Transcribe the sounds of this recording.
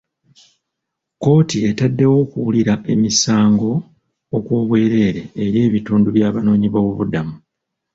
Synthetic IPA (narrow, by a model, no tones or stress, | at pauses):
ko̞ːtie̞tadːe̞wo̞ːkuwuliɾaʔe̞misaːŋɡo̞ | okwoːβwe̞ːɾe̞ːɾe̞ːɾje̞ːβituːnduβjaːβano̞ːɲiβowuβudamu